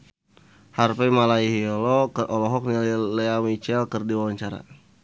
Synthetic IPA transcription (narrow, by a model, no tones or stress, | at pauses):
harpɛmalaiɦiɔlɔkəʔɔlɔɦɔk̚nillɛamit͡ʃɛlkərdiwawaɲt͡ʃaɾa̰